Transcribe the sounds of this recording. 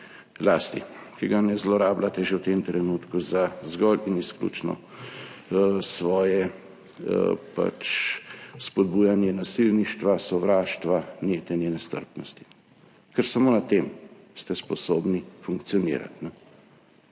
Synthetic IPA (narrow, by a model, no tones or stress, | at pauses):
laːst̪ḭkiɡanɛzlɔɾaːblat̪ɛʒɛwt̪emt̪ɾɛnuːt̪kuzazɡɔlinisklṵːt͡ʃnɔ̰ | sʋɔːjɛ | pa̰t͡ʃ | spɔd̪bujanjɛnasilniʃt̪ʋasɔʋɾaːʃt̪ʋanjet̪ɛnjɛnɛst̪ə̰ɾpnɔst̪i̥ | kəɾsamoːnat̪em | st̪ɛspɔsobnifuŋkt̪sijɔnḭːɾa̰t̪nɛ